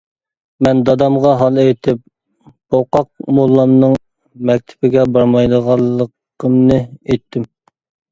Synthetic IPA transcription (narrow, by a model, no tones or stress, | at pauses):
mɛnd̪ɑd̪ɑmʁɑɦɑlˠejt̪ʰɪp̚ | boqɑq̚molˠːɑmnɨŋ | mɛk̚ʲt̪ʰɪ̥bɪɡʲɛbɑɾmɑjd̪əʁɑlˠːəqʰ | əmnɨejt̪ʰːɪm